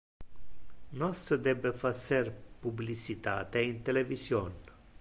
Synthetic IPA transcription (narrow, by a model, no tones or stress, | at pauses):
nosəd̪ebefat͡serpublit͡ʃit̪at̪eint̪elevision